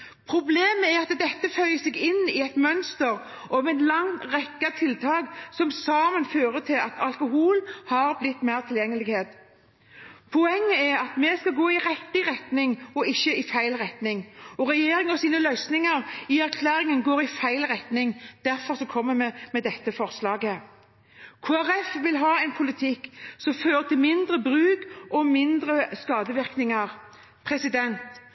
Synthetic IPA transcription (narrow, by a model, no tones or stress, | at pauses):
pʰɾʊbleːməæɾɑt̪d̪ɛt̪ːəfœʏəsɛɡɪnːɪɛt̪mœnst̪əɾ | ʔɔʋɛt̪lɑŋt̪ʁɛkːɑt̪ʰɪlt̪ʰɑːɡsɔmsɑːmənføːɾət̪ʰɪlɑt̪ʰɑlkʊɦuːlhɑɾblɪt̪ːmæɪʁt̪ʰɪljɛŋːəlɪɡheːd̪ | pʰʊɛŋːəæɾɑt̪mɛskɑlɡoːɪɾɛt̪ːɪʁɛt̪nɪŋɔɪçːəɪfæɪlʁɛt̪nɪŋɔʁɛjeːɾɪŋɔsiːnəlœʏsnɪŋəɾɪæɾkʰlæːɾɪŋənɡoːɾɪfæɪlʁɛt̪nɪŋd̪̥æʁfɔʁsɔkʰɔmːəmɛmɛd̪ɛt̪ːəfɔʁslɑːɡə | kʰoːæɾɛfʋɪlɦɑːɛɪnpʰʊlɪt̪ʰɪkːsɔmføːɾət̪ɪlmɪnd̪ɾəbɾʉːkʔɔmɪnd̪ɾəskɑːd̪əʋɪʁknɪŋɑʁ | pʰʁɛsɪd̪ɛnt̪